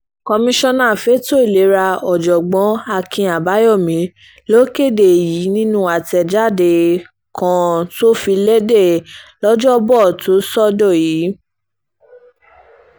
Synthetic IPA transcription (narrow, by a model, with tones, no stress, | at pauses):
kɔ˧mĩ˧ʃɔ̃˧nã˦˨fe˨˦to˦i˦˨le˨˦ɾa˧ɔ˨d͡ʒɔ˨ɡ͡bɔ̃˨˦a˧kĩ˧a˨ba˨˦jɔ˦˨mĩ˨˦ | lo˦ke˦˨de˨ji˨˦nĩ˦nũ˦a˨tɛ˧˨d͡ʒa˦˨de˧ | kʰã˧to˦fi˧le˦de˦˨lɔ˦d͡ʒɔ˦bɔ˦˨to˨˦sɔ˦dɔ˦˨ji˨˦